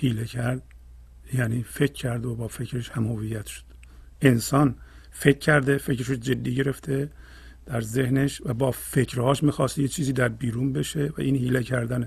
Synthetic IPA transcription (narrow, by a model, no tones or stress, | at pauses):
hiːlecʰæɾd̪̥̚ | jæniːfe̞cʰːæɾd̪obɒːfe̞cʰɾeʃhæmhovijːæt̪ʃo̥d̪̥ | e̞nsɒːn | fe̞cʰːæɾd̪e̞fe̞cɾeʃod͡ʒe̞d̪ːiːɟe̞ɾe̞ft̪ʰe | d̪̥æɾze̞hneʃvæbɒːfecʰɾhɒːʃmiːxɒːst̪jet͡ʃʰiːziːd̪æɾbiːɾuːnbe̞ʃevæ̰ʔiːnhiːlecʰæɾd̪æne